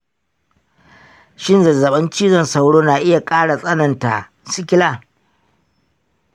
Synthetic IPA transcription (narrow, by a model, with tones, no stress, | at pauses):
ʃɪ˦nzɐ˨zɐ˨ɓɐ˦nt͡ʃiː˦zɐ˦˨nsa˦˨wɽoː˦naː˨ʔɪ˦ja˨kʼaː˦ɽa˨sʼɐ˦nɐ˨nta̰˨ | sɪ˦kʲɪ˦laː˦˨